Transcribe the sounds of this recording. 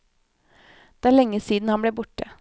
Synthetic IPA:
d̪̥eːæːɭɛŋːəsiːd̪n̩hɑnbɽeːbʊʈə

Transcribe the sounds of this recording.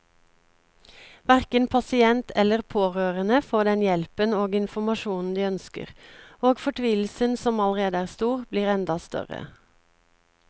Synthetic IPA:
ʋæʁkənpʰɑsɪɛnt̪ʰɛləʁpʰoːʁøːʁənəfoːɖ̪ɛnjɛlpənoːɡɪnfɔmɑʃuːnn̩d̪iːœnskə̰ʁoːɡfɔʈʰʋiːl̩sənsɔmɑləʁeːd̪əæːʁst̪uːʁbliːʁɛnd̪ɑst̪œ̰ʁə̰

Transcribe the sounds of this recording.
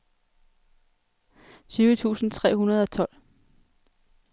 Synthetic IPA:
syːʊət͡sʰṵːsn̩t͡sʰʁɛ̰ːhunɐð̞ˠɒ̽t͡sʰɒ̽l̰

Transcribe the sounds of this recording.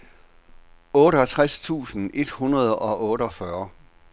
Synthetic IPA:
ɔ̽ːɾəɒt͡sʰʁast͡sʰṵːsn̩e̝d̥hunɐð̞ˠɒ̽ʔɔ̽ːɾəɒ̽fɶɐ

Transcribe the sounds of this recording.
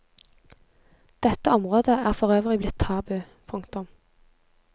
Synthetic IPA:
d̪̥ɛt̪əɔmʁoːd̪əæːʁfɔʁøːʋʁɪblɪt̪ʰtɑːbʉ | pʰʊŋkt̪ʊm

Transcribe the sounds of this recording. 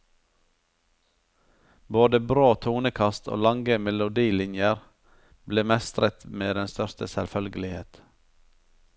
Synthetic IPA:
boːd̪əbɾoːt̪ʰuːnəkʰɑst̪ʰo̰ːlɑŋɡəmɛlʊd̪iːlɪnjəɾ | bleːmɛst̪ɾət̪meːd̪ɛnst̪œɾst̪əsɛlfœlɡəlɪhḛːt̪

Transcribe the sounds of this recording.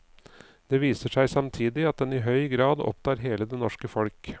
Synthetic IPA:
d̪̥ɛʋiːsəʂæɪsɑmt̪ʰiːd̪ɪɑt̪̚d̪ɛnɪɦœʏɡɾɑːd̪ɔ̰p̚t̪ʰɑːɾɦeːləd̪ɛnɔʂkəfɔlk

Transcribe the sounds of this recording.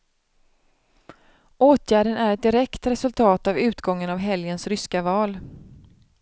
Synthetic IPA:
ʔoːt̪ʰjæːɖənæɾɛt̪̚d̪ɪɾɛkt̪ɾɛsɵlt̪ʰɑːt̪avʉ̟ːt̪ɡɔŋːənavɦɛljənsɾʏskavɑːl

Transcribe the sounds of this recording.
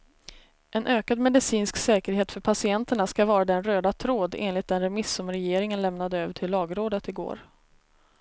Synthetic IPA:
ʔɛnʔøːkad̪mɛd̪ɪsiːnsksɛːkəɾɦeːt̪fœɾpʰasɪɛnt̪əɳaskavɑːɾad̪ɛnɾøːd̪at̪ʰɾoːd̪ḛːnlɪt̪̚d̪ɛnɾɛmɪsːɵmɾɛjeːɾɪŋənlɛmnad̪əøːvəʈʰɪlːɑːɡɾoːd̪ət̪ɪɡo̰ːɾ

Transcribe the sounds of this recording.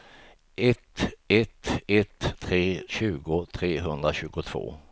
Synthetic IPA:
ʔɛt̪ɛt̪ɛt̪ʰːɾeːɕʉ̟ːɡʊt̪ʰɾeːɦɵnd̪ɾaɕʉ̟ːɡʊt̪ʰv̥o̰ː

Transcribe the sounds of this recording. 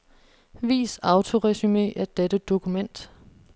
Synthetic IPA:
ʋḭːsɑ̈ʊt͡sʰo̝ʁɛsyme̝̰ːæd̥ed̥əd̥o̝kʰumen̰d̥

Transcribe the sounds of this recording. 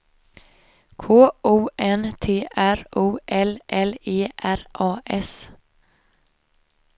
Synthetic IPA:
kʰoːʔuːʔɛnt̪ʰeːʔæɾʔuːʔɛlʔɛleːʔæɾʔɑːʔɛs

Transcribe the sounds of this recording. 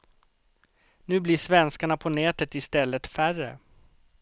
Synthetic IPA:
nʉ̟ːblɪʂvɛnskaɳapʰɔnɛːt̪ət̪ɪst̪ɛlːət̪færə̰

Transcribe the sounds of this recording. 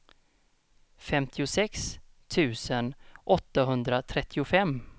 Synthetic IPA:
fɛmt̪ʰɪʊsɛks | t̪ʰʉ̟ːsənʔɔt̪ːaɦɵnd̪ɾat̪ʰɾɛt̪ʰːɪʊfɛmː

